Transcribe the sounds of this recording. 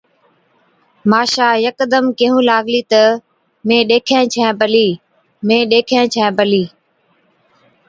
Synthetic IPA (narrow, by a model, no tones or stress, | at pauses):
maːʃaːjəkd̪əmkɪɦũːlaːɡliːt̪ə | mẽːɗeːkʰẽːt͡ʃʰɛ̃ːpəliː | mẽːɗeːkʰẽːt͡ʃʰɛ̃ːbəliː